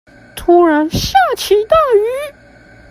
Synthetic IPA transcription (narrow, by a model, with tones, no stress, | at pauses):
t̪ʰu˥ɻa˧˥nsɕja˥˩t͡ɕʰi˧˥t̪a˥˩y˧˥